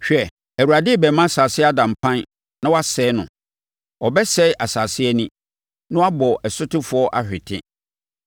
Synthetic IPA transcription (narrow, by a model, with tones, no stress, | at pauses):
ɕᶣɛ˨ | æ˨u˨ɾa˨dɪ˦˨bɛ˨mã˦˨saː˨sɪ˦a˦dã˨m̩˨pʰã˦n | nã˦wa˦sɛː˨˦nʊ̃˨ | ɔ˨bɛ˦sɛ˦ʔa˨saː˨sɪ˦ɛ˦nĩ˦ | nʊ̃˦a˦bɔ˨ʔɛ˨sʊ˦tɪ˦fʊ˨˦ɔ˦ʔa˦ɕᶣɪ˨tʰɪ̰̃˦